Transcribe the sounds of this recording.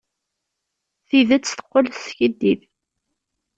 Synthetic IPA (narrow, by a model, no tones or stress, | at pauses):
θiðæt͡sːθə̥qːəlsçəd̪ːið